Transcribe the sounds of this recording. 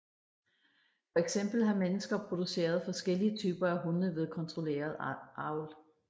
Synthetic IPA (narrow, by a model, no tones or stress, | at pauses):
fɒ̽eɡ̥sem̰b̥l̩ɦɑ̈menəsɡ̥ɐpʰʁo̝d̥use̝̰ːɐð̞ˠfɒ̽sɡ̥el̰iət͡sʰyːb̥ɐæɦunəʋe̝ð̞ˠkʰɒ̽nt͡sʰʁo̝le̝̰ːɐð̞̩ˠʔɑ̈ʊl